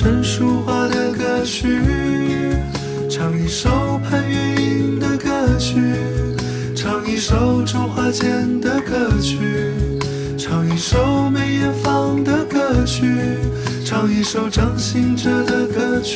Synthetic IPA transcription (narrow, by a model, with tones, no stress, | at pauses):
ə˧˥nʂu˥xwa˥˧d̪ə˨kɤ˥˩t͡ɕʰy˥ | ʈ͡ʂʰɑ˧˥ŋi˧˩ʂo˧ʊpʰa˥nɛ˧i˥nd̪ə˧kɤ˥˧t͡ɕʰy˥ | ʈ͡ʂʰɑ˧˥ŋi˧˥ʂo˧˥ʊʈ͡ʂu˥xwa˥t͡ɕjɛ˥nd̪ə˨kɤ˥˩t͡ɕʰy˥ | ʈ͡ʂʰɑ˧˥ŋi˧˥˩ʂo˧˥ʊme˧˥ɪjɛ˧˥fɑ˥˧ŋd̪ə˨kɤ˥˧t͡ɕʰy˥ | ʈ͡ʂʰɑ˧˥ŋi˧˥ʂo˧˥ʊʈ͡ʂɑ˧˥ŋɕi˧˥ŋʈ͡ʂə˥d̪ə˧˩kɤ˧˩t͡ɕʰ